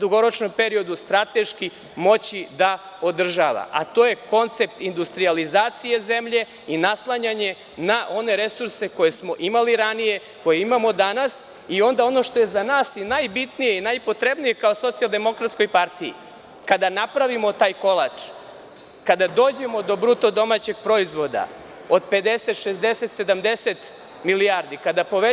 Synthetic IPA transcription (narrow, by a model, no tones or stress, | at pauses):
d̪uɡo̞ɾo̞t͡ʃno̞mpe̞ɾio̞d̪ust̪ɾat̪e̞ʃki | mo̞t͡ɕid̪a | o̞d̪r̩ʒaʋa̰ʔa̰t̪o̞ːje̞ko̞nt̪se̞pt̪ind̪ust̪ɾializaːt̪sije̞ze̞mʎe̞ | inaslˠaɲaɲe̞ | naʔo̞ne̞ɾe̞suɾse̞ko̞je̞smo̞ʔimaliɾanije̞ | ko̞jeimamo̞d̪anas | io̞nd̪ao̞no̞ʃt̪o̞jezanaːsinajbit̪nijeinajpo̞t̪ɾebnije̞kaoso̞t̪sialˠd̪e̞mo̞kɾat̪sko̞jpaɾt̪iḭ | kad̪anapɾaʋimo̞t̪aːjko̞la̰t͡ʂ | kad̪ad̪o̞ːd͡ʑe̞mo̞d̪o̞bɾut̪o̞d̪o̞mat͡ɕe̞ɡ̚pɾo̞izʋo̞d̪a̰ | o̞d̪pe̞d̪eset̪ʃezd̪ese̞t̪se̞d̪amd̪eset̪ | milijaɾd̪ikad̪apo̞ʋe